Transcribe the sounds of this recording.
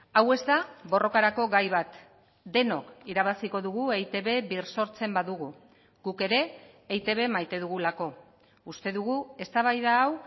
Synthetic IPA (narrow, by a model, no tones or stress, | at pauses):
awe̞zt̪aβo̞rʔo̞kaɾako̞ɣajβ̞at̪ | d̪e̞no̞̰kiɾaβ̞asiko̞ðuɣue̞jt̪e̞βe̞βiɾso̞ɾt͡se̞mbaðuɣu | ɡ̥uke̞ɾe̞ː | jt̪e̞β̞e̞majt̪e̞ðuɣulako̞ | ust̪e̞ðuɣue̞st̪aβajðaːw